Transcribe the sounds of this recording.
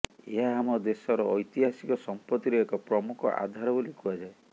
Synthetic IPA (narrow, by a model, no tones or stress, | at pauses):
ḛɦaːmɔd̪esɔɾɔʔːjt̪iɦasikɔsɔmpɔt̪ːiɾiekɔpɾɔmukʰɔ̰ʔa̰d̪ʱaɾɔbolikʰuad͡ʒae